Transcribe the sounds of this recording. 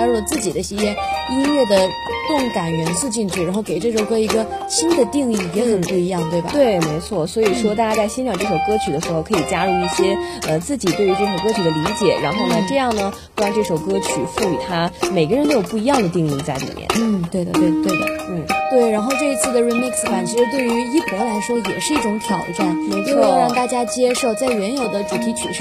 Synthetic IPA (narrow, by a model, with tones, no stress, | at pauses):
a˥ɻu˥˩lə˩t͡sɹ̩˥˩t͡ɕi˨˩d̪ə˦ɕi˧˥jɛ˥ni˥nlɛ˥˩d̪ə˩ | kɤ˥˩ŋka˨˩nɥɛ˧˥nsu˥˧t͡ɕi˥˧ŋt͡ɕʰy˥˩ɻa˧˥nxo˥˩ʊke˨˩ɪʈ͡ʂɤ˥˩ʂ̬o˨˩ʊkɤ˧˥i˧˥ɡə˧ɕi˥nd̪ə˨t̪i˥˧ŋi˥˩jɛ˧˥i˨˩pu˥˩i˧˥jɑ˥˧ŋt̪we˥˩ɪba̰˨˩t̪we˥˩ɪme˧˥ɪt͡sʰwɔ˥˩swɔ˧˥i˨˩ʂwɔ˥t̪a˥˩t͡ɕja˥t͡sa˥˩ɪɕjɛ˥nʂʰɑ˨˩ŋʈ͡ʂɤ˥˩ʂo˨˩ʊkɤ˥t͡ɕʰy˨˩d̪ə˦ʂɻ̩˧˥xo˥˧ʊkʰɤ˧˥i˨˩t͡ɕja˥lu˥˧i˥˩ɕjɛ˥ə˧t͡sɹ̩˥˩t͡ɕi˨˩t̪we˥˩ɪy˧˥ʈ͡ʂɤ˥˩ʂo˨˩ʊkɤ˥t͡ɕʰy˨˩d̪ə˦li˧˥t͡ɕjɛ̰˨˩˦ɻa̰˧˥nxo˥˩ʊnə˩ʈ͡ʂɤ˥˧jɑ˥˩ŋnə˩˥˩wa˥˧nʈ͡ʂɤ˥˩ʂo˨˩ʊkɤ˥t͡ɕʰy̰˨˩fu˥˩y̰˨˩t̪ʰa˥me˨˩ɪɡə˧ɻnt̪o˥jʊpu˥˩i˧˥jɑ˥˩ŋd̪ə˩t̪i˥˧ŋi˥˧ŋt͡sa˥˩ɪlḭ˨˩mjɛ̰˥˩nn̩˥˩t̪we˥˩ɪd̪ə̰˩t̪we˥˩ɪ˩t̪we˥˩ɪd̪ə̰˩n̩˥˩t̪we˥˩ɪɻa˧˥nxo˥˧ʊʈ͡ʂɤ˥˩i˧˥t͡sʰɹ̩˥˩d̪ə˩ɻi˧˥mi˥˩ksfa˨˩nt͡ɕʰi˧˥ʂ̩˧˥t̪we˥˩ɪy˧˥i˥pɤ˧˥la˧˥ɪʂwɔ˥jɛ˨˩ʂɻ̩˥˧i˥˩ʈ͡ʂʊ˧˥ŋt̪ʰjɑ˨˩ʊʈ͡ʂa˥˩nt͡ɕo˥˧ʊ˥˧˥ɑ˥˧ŋt̪a˥˩t͡ɕja˥t͡ɕjɛ˥ʂo˥˩ʊt͡sa˥˩ɪɥɛ˧˥njo˨˩ʊd̪ə˦ʈ͡ʂu˨˩t̪ʰi˧˥t͡ɕʰy̰˨˩ʂ